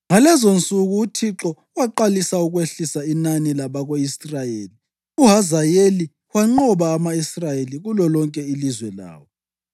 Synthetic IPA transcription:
ŋalɛzont͡sʼuɣuːtʰiǁɔ | waǃalisauɣweɬisainanilaβaɣoisrajeːli | uɦazajeli | waŋ͡ǃɔβaːmaisrajeliɣulɔlɔŋkʼɛilizwɛla̰ːwɔ

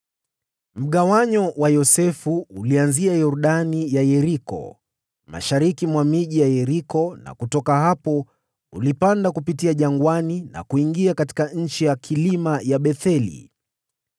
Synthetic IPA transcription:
m̩ɠawaɲɔwajɔsɛfuːlianziajɔɾɗanijajɛɾikɔ̰ | ma̰ʃaɾikimwamiʄijajɛɾikɔna̰kutɔkaɦapɔ | ulipandakupitiaʄaŋɡwanina̰kuiŋɡiakati̥kaɲ̩t͡ʃijakʰilimajaɓɛθɛlḭ

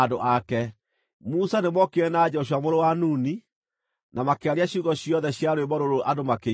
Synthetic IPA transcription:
doʔakɛ | musanemɔkeɛnad͡ʑɛɔʃ̬wamoɾowanuni | nʔamakeaɾeaɕuɣɔɕiɔðɛɕjaɾwebɔɾoɾoʔadomake

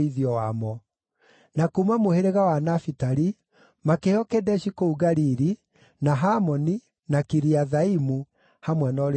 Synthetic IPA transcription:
iðiɔwamɔ | nakumamoheɾeɣawanafitaɾi | makehɔkɛdɛʃikouɡaɾiɾi | naɦamɔni | nakiɾiaðaimu | hamwɛnɔɾe

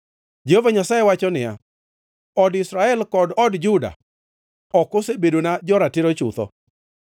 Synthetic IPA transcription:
d͡ʒehovaɲasajewat͡ʃɔnɪja̰ | ɔdɪsɾaɛlkɔdɔdd͡ʒʊda̰ | ɔkosebedonad͡ʒɔɾatɪɾot͡ʃʊ̰t̪ɔ̰

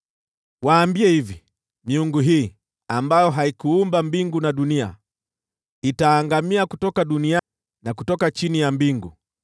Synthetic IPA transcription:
waːmbiɛhivi | miuŋɡuɦiː | ambajɔɦaikuumbambiŋɡunaɗunia̰ | itaːŋɡamiakutɔkaɗunia | nakutɔkat͡ʃinijambiŋɡu

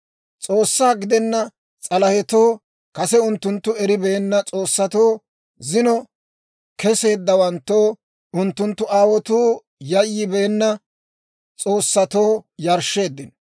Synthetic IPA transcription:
t͡sʼoːsːaːɡɪd̪ɛnːɐ | t͡sʼɐlɐhɛt̪oː | kɐsɛʊnt̪ːʊnt̪ːʊɛɾɪbɛːnːɐt͡sʼo̞ːsːɐt̪oː | zɪnɔ | kɛse̞ːd̪ːɐwɐnt̪ːoː | ʊnt̪ːʊnt̪ːʊaːwɔt̪uː | jɐjːɪbeːnːɐ | t͡sʼo̞ːsːɐt̪oːjɐɾʃːe̞ːd̪ːɪn

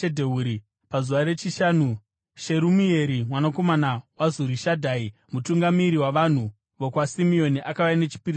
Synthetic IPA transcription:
edʱeuːɾi | pazuʋaɾe̞t͡ʃiʃaːnu | ʃe̞ɾumie̞ɾimwanako̞manawazuɾiʃadʱai | mutuŋɡamiɾiwaʋan̤u | ʋo̞kwasimio̞niʔakaʋaine̞t͡ʃi̥piɾi

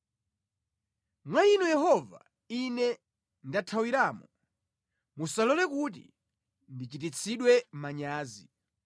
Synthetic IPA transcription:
mwainujɛɦɔva̰ | inɛ | ndatʰawiɾaːmu | musalɔlɛkut̬ḭ | ndit͡ʃitit͡sʰiɗwɛmaɲaːzi

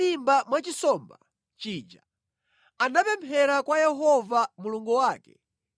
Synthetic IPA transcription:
imbamwat͡ʃisɔːmba | t͡ʃiːd͡ʒa | anapɛmpʰɛɾakwajɛɦɔvamuluŋɡuwaːkɛ̰

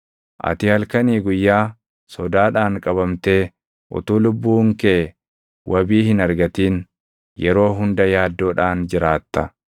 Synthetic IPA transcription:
ʔɐ̰t̪ɪhɐlkɐniːɡʊjːaː | sɔd̪aːᶑaːŋkʼɐβɐmt̪e̞ː | ʔʊ̰t̪uːlʊbːuːŋkeː | wʔɐbiːhɪnɐɾɡɐt̪iːn | jɛɾo̞ːɦʊnd̪ɐjaːd̪ːo̞ːᶑaːnd͡ʒɪɾaːt̪ːɐ

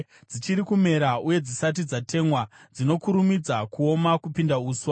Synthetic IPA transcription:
d͡zit͡ʃiɾikume̞ɾauje̞d͡zisat̬id͡zatʰe̞mwad͡zino̞kuɾumid͡zakuo̞makupindauːswa

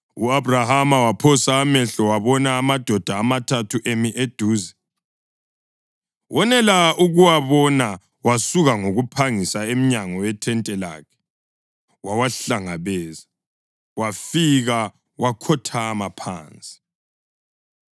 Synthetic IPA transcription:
uabrahamawapʰɔsaːmɛɬɔwaβɔnaːmad̥ʱɔd̥ʱaːmatʰatʰuʔemiʔed̥ʱuːzɛ | wʔɔnɛlauɣuwaβɔna | wasuɣaŋoɣupʰaŋisaem̩ɲaŋɔwɛtʰɛntʼɛla̰ːkʰɛ̥ | wawaɬaŋaβɛːza | wafiɣa | wakʰɔtʰaːmapʰa̰ːnt͡sʼi̥

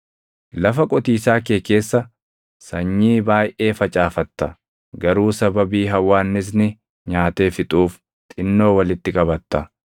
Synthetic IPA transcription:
lɐfɐkʼɔt̪iːsaːkeːke̞ːsːɐ | sɐɲːiːbaːjʔe̞ːfɐt͡ʃʼaːfɐt̪ːɐ | ɡɐɾuːsɐbɐbiːɦɐwːaːnːɪs̬nɪ | ɲaːt̪e̞ːfɪt̪ʼuːf | t̪ʼɪnːo̞ːwɐlɪt̪ːɪkʼɐbɐt̪ːɐ

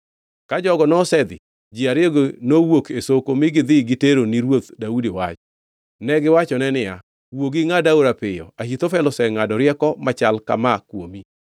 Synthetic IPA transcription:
kad͡ʒɔɡɔnɔsɛd̪ɪ̰ | d͡ʒiaɾjeɡonowokesokomɪɡɪd̪ɪɡɪteɾoniɾwot̪daudiwa̰t͡ʃ | nɛɡɪwat͡ʃɔnɛnɪja | woɡiŋadaoɾapɪjɔ̰ahit̪ofɛlɔsɛŋadɔɾjɛkɔmat͡ʃalka̰makwomi

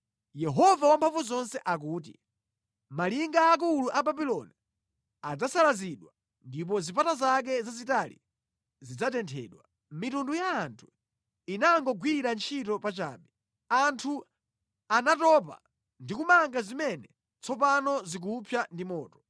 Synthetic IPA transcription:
jɛɦɔvawampʰaɱvuzɔnsɛʔak̬uːt̬ḭ | maliŋɡaːk̬uluʔababilɔni | ad͡zasalaziɗwa | ndip̬ɔzipatazak̬ɛzazitalḭ | zid͡zatɛntʰɛ̰ːɗwa | mitundujaːntʰu̥ | inaŋɡɔɡwiɾant͡ʃʰitɔpat͡ʃa̰ːɓɛ | antʰu | anatɔpa̰ | ndikumaŋɡazimɛnɛ | t͡sʰɔp̬anɔzik̬upʰjandimɔːtɔ̥

